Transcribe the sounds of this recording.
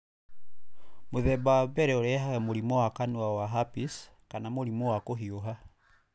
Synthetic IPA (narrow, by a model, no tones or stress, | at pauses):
moðɛbawabɛɾɛoɾɛɦaɣɛmoɾimɔwakanuawaɦapis | kanamoɾimɔwakoɦioɦa